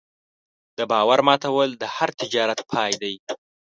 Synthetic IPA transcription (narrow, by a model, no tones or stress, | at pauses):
d̪̥əbɑwaɾmɑt̪ʰawəld̪əhaɾt̪ɪd͡ʒɑɾat̪̚pʰɑjd̪aj